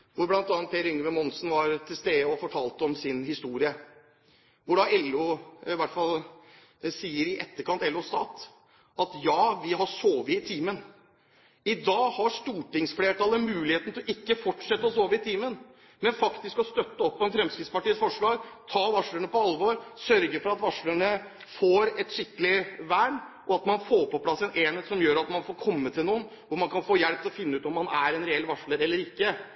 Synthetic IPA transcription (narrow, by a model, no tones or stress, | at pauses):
ʋʊɾblɑnt̪ɑːnt̪ʰːeːɾʏŋːəʋɛmɔnsnʋɑɾt̪ʰɪlst̪eːəɔfɔʈʰɑːlt̪əɔmsɪnhɪst̪uːɾɪə | ʋʊɖɑɛlːuɪʋæʈːfɑl | siːəɾɪʔɛt̪ːəɾkʰɑnt̪ɛlːust̪ɑːt̪ | ʔɑt̪jɑːʋɪɦɑʂoːʋəɪt̪ʰiːmən | ɪd̪ɑːhɑʂt̪uːʈɪŋsfleːʈɑːləmʉːlɪheːt̪n̩t̪ʰɪlɔɪkːəfɔʈʂɛt̪ːəɔsoːʋəɪt̪ʰiːmən | mɛnfɑkt̪ɪskɔst̪œt̪ːəɔpːɔɛnfɾɛmskɾɪd̪spɑʈiːəsfɔʂɭɑːɡt̪ʰɑːʋɑʂləɳəpɔɑlʋoɾsœɾɡəfɔɾɑt̪ʋɑʂləɳə | foːɾɛt̪ʂɪkːəlɪʋæːɳ | ʔɔɑt̪mɑnfoːpɔpʰlɑsːɛneːnheːt̪sɔmjøːɾɑt̪mɑnfoːɾkʰɔmːət̪ʰɪlnuːən | ʋʊɾmɑnkʰɑnfoːjɛɽp̪̚ʰɪlɔfɪnːəʉːt̪ɔmːɑnæɾɛnɾɛɛlʋɑʂɭəɾɛlːəɾɪkːə